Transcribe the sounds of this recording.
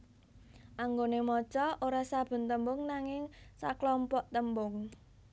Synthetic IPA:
ʔaŋɡonemɔt͡ʃɔʔoɾasab̥ə̤nt̪əmbʊŋnaŋɪŋsa̰klɔmpɔʔt̪əmbʊŋ

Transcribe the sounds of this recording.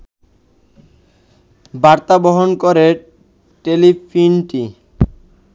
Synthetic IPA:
baɾt̪aboɦonkoɾe | ʈelifʰinʈi

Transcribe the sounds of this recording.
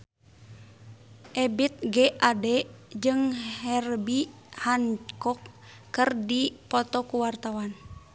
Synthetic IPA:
ʔɛbit̪̚ɡeʔadɛd͡ʒɨŋhɛrbi | hankɔkː | ɨrdipɔt̪ɔkuwart̪awan

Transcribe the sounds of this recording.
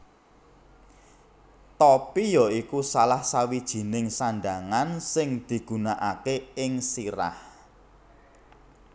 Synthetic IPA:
t̪ɔpijɔikusalahsawid̥ʒ̥i̤nɪŋsaɳɖ̪aŋansɪŋd̪̥i̤ɡ̥ṳnaʔakeɪŋsiɾa̰h

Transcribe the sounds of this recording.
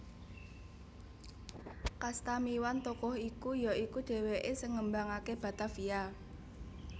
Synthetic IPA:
kast̪amiwant̪ɔkɔhikujɔikuɖ̪̥e̤weʔesəŋəmbaŋakeb̥a̤t̪afia

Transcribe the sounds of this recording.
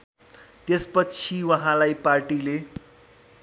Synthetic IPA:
t̪espʌt͡sʰiwʌɦãlajparʈile

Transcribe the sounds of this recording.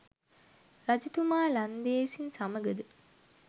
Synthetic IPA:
rad͡ʒut̪umaːland̪eːsinsaməɡəd̪ə

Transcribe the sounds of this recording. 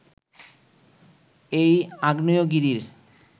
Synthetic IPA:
ejaɡnojoɡiɾiɾ

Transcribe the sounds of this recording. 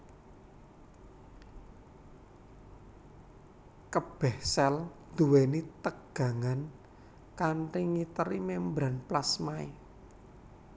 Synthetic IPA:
kəb̥ɛhsɛl | d̪̥uwenit̪əɡ̥ä̤ŋan | kanriŋit̪əɾimembɾanplasmae

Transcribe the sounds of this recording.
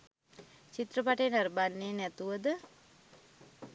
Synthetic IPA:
t͡ʃit̪rəpaʈəjnaɾəbanːeːnɛt̪uʋəd̪ə

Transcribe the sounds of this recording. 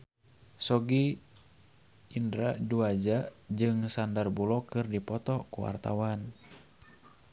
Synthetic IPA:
sɔɡi | indɾaduad͡ʒad͡ʒɨŋsandarbulɔkɨrdipɔt̪ɔkuwa̰rt̪a̰wan

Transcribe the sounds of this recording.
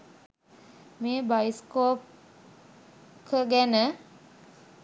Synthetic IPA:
meːbajiskoːp | kʰəɡænə

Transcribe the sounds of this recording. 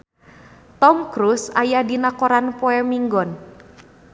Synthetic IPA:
t̪ɔmkɾusajadinakoɾanpɔɛmiŋɡɔn

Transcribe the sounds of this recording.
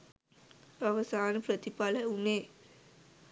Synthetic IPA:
aʋəsaːnəpɾət̪ipaləuneː

